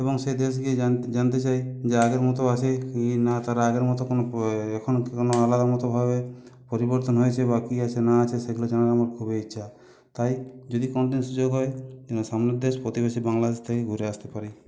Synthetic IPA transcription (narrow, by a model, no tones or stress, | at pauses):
ebɔŋsed̪es̬ɡied͡ʒant̪et͡ʃajd͡ʒeaɡeɾmɔt̪ɔat͡ʃʰekinat̪aɾaːɡeɾmɔt̪ɔkonɔekʰɔnonɔalad̪amɔt̪ɔbʱabe | pɔɾibɔɾt̪ɔnɦɔjt͡ʃʰebakiat͡ʃʰenaːt͡ʃʰeseɡʱulod͡ʒanaɾamɔɾ̚kʰubeiːʃʰa | t̪ajd͡ʒod̪ikɔnɖinsud͡ʒoɡɦɔjeenɔsamned̪espɾɔt̪ibesibaŋlad̪est̪ʰakeɡʱuɾeast̪epaɾi